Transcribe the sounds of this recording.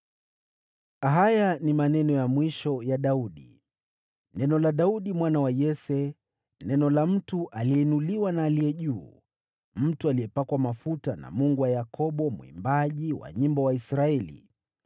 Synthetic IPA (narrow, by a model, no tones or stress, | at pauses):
aɦajanimanɛnɔjamwiʃɔjaɗauɗḭ | nɛnɔlaɗauɗimwanawajɛsɛ | nɛnɔlam̩tuʔaliɛnuliwanaːlijɛʄuː | m̩tualiɛpakwamafutana̰muŋɡuwajakʰɔɓɔmuḭmbaʄiwa̰ɲimbɔwaisɾaɛlḭ